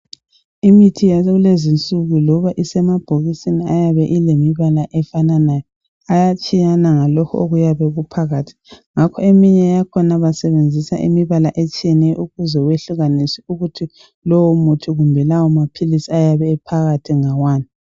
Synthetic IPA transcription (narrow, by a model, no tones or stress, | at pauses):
imitʰijaɣulezint͡sʼuɣulɔβaʔisɛmab̥ʱoɣisiniajaβɛʔilemiβalaʔɛfananajɔ | ajat͡ʃʼijanaŋalɔkʰɔo̰ɣujaβɛɣupʰaɣaːtʰi̥ŋakʰɔemiɲɛjakʰɔnaβasɛβend͡zʱisa̰ʔḭmiβalaʔet͡ʃʼijɛnɛʔuɣuzɔweɬuɣanisiuɣutʰi | lɔwɔmutʰuɣumbʱɛlawɔmapʰilisiajaβɛːpʰaɣatʰiŋawaːni